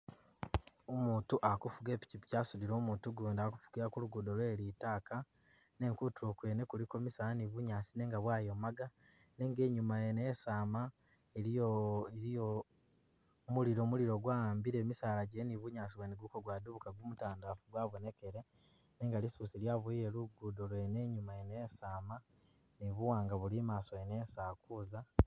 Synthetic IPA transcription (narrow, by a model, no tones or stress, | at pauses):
omuːtuʔakufuɡe̞ːpi̥cipi̥caːsudiɾo̞ːmuːtuɡuːndaku̥fu̥ɡiɾakuluɡudolwelitaːka | ne̞ŋkutuokwe̞ːnekuliko̞misaaniβuɲaːsine̞ːŋɡaβwaːjo̞maɡa | ne̞ŋɡe̞ːɲumajeneesaːma | eɾoeɾio | muliɾo̞ːmuliɾoɡwaaːmbiɾe̞ːmisaːlaɟeniβuɲaːsiweneɡukoɡwaːduβukaɡumutaːndafuɡwaːβo̞ne̞ke̞ɾe̞ | neːŋɡalisusiljaβuijeluɡudolwene̞ɲumaenesaːma | niβuwaːŋɡaβulimaːso̞enesaːkuza